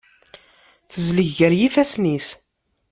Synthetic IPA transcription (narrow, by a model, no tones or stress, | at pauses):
θəzləʝəɾjifæsnis